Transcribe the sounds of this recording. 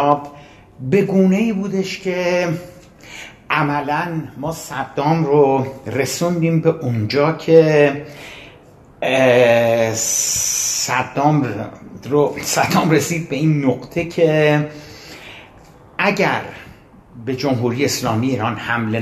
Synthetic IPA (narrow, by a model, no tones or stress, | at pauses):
b | be̞ɡuːne̞iːbuːd̪eʃcʰe̞ | ʔæmælænmɒːsæd̪ːɒːmrore̞sund̪iːmbe̞ʔund͡ʒɒːcʰe̞ | sæd̪ɒːm | osæd̪ɒːmre̞siːd̪̚be̞iːnːoɣt̪ʰe̞cʰe̞ | æɟæɾ | be̞d͡ʒomɦuːɾijeːslɒːmijiːɾɒːnhæmle